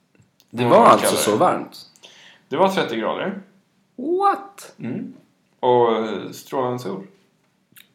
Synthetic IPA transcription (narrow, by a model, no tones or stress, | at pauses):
d̪ɛvaa̰lsɔsɔva̰ɾmt̪ | d̪̥ɛvat̪ʰɾɛt̪ːɪɡɾɑ̰ːd̪ə̰ɾ | wat̪ːm̩ | ɔst̪ɾoːlaəsṵːl